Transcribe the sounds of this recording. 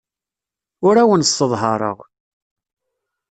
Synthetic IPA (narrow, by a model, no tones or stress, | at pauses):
ʊɾæwənsːəðˤɦɑɾˤə̰ʁ